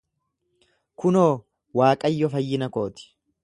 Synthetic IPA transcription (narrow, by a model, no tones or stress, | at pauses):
kʊnoː | waːkʼɐjːɔfɐjːɪnɐko̞ːt̪ɪ̥